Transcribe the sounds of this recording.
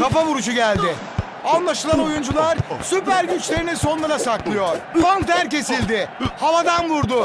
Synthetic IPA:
kʰafaβuɾud͡ʒuɟælʲd̪ɪ | anlˠaʃɯlˠano̞jund͡ʒulˠaɾsypæɾɟyt͡ʃlʲe̞ɾiniso̞nlˠaɾasaklˠɯjo̞ɾ̥faŋk̚d̪æɾce̞silʲd̪ɪhavad̪anbuɾd̪ʊ

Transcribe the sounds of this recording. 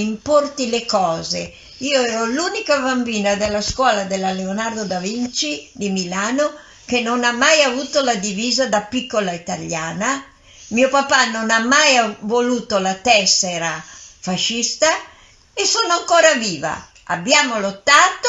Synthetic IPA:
import̪ilekɔːze | iːoɛːɾoluːnikabambiːnad̪elːaskwɔːlad̪elːaleonard̪od̪avint͡ʃid̪imilaːno | kenːonamːajavuːt̪olad̪iviːzad̪apikːolait̪aʎjaːna | miopapanonamːajavoluːt̪olat̪ɛsːɛɾafaʃːist̪a | esoːnoaŋkoːɾaviːva̰ | a̰bːjaːmolot̪ːaːt̪o

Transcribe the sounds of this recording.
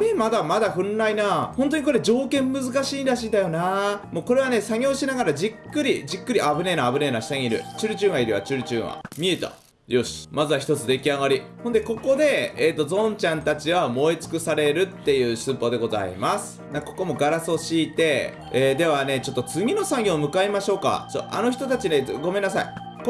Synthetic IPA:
emad̪amad̪aɸɯ̟̃nːainahõ̞nt̪̬o̞ɲ̟iko̞ɾe̞d͡ʑo̞ːkẽ̞mːɯ̟zɨkaɕiːnɾaɕiːnd̪ajo̞naːmo̞ːko̞ɾe̞β̞ane̞saɡʲo̞ːɕinaɡaɾad͡ʑikːɯ̟ɾʲid͡ʑikːɯ̟ɾʲiʔabɯ̟ne̞naːbɯ̟ne̞naɕi̥t̪aɲiiɾɯ̟̰t͡ɕɨɾɯ̟t͡ɕɨ̃ːaiɾʲiβa̰t͡ɕɨɾɯ̟t͡ɕɨ̃ːβa̰mʲie̞t̪a̰ | joːɕi̥mazɨβaçi̥t̪o̞t͡sɨd̪e̞kʲiaɣaɾʲiho̞nd̪e̞ko̞ko̞d̪e̞et̪ːo̞zõ̞ɲt͡ɕãnt̪at͡ɕiβamo̞it͡sɨ̥kɯ̟saɾe̞ɾɯ̟t̪ːe̞jɯ̟ːsɨpod̪e̞ɡo̞za̰ḭmasɨ̥nako̞̥ko̞mo̞ɡaɾasɨoɕiːt̪e̞ | eːd̪e̞βane̞t͡ɕo̞t̪ːo̞t͡sɨɡʲino̞sãŋɡʲoːmɯ̟kaimaɕo̞ːka̰so̰ʔa̰no̞çi̥t̪o̞t̪at͡ɕineɡo̞me̞nːasai | k

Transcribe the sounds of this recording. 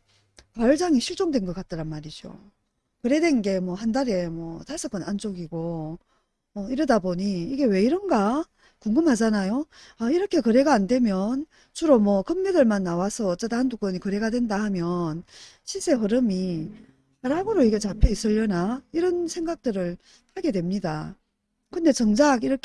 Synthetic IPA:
pwaɭd͡ʑaŋiɕʰiɭt͡ɕ͈oŋdwe̞nɡʌk͈at̚t͈aɾanmaɾid͡ʑo̰ | kɯɾe̞dwe̞nɡe̞mwʌhandaɾe̞mwʌtaɭs͈ʌk͈ʌnand͡ʑoɡiɡo | mʌiɾɯdaboɲiiɡe̞we̞iɾʌnɡa | kuŋɡɯmɦad͡ʑanajoaiɾʌkʰe̞kɯɾe̞ɡaːnde̞mjʌn | t͡ɕuɾomwʌkʌmːedɯɭmanːawasʰʌːt͡ɕ͈edaɦanduk͈ʌɲikɯɾe̞ɡadwe̞ndahamjʌnɕʰis͈e̞ɸɯɾɯmi | aɾaɡɯɾoiɡe̞t͡ɕapʰe̞is͈ɯʎːʌnaiɾʌnsʰe̞ŋɡak̚t͈ɯɾɯɭ | pʰaɡe̞dwe̞mɲida | kɯnde̞t͡ɕʌŋd͡ʑaɡiɾʌkʰ

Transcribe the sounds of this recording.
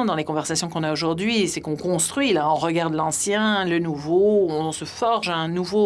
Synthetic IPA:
d̪ɑ̃lekɔ̃vɛʁsasjɔ̃kɔ̃naoʒuʁd̪ɥisɛkɔ̃kɔ̃st̪χɥilaɔ̃ʁəɡaʁd̪lɑ̃sjɛ̃lənuvoɔ̃səfɔʁʒaɛ̃nuvo

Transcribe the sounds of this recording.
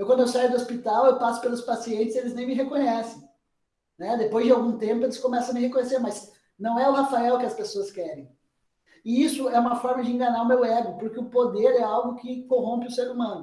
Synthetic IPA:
ewkɐ̃nd̪ʊewsajʊd̪ʊospit̪awewpasʊ̥pelʊspasiẽnt̪ɪszelɪznẽj̃mɪɦekõɲɛsẽj̃ | nɛd̪epojzd͡ʒɪawɡũt̪ẽmpʊelɪskomɛsɐ̃w̃mɪhekõɲeseɾmaz | nɐ̃w̃ɛʊhafaɛwkɪɐspesoɐskɛɾẽj̃ | ɪisʊɛũmɐfɔɾmɐd͡ʒɪĩŋɡɐnaʊmewɛɡʊpoɾkɪʊpod̪eɾɛawɡʊkɪkoɦõmpɪʊseɾumɐ̃nʊ

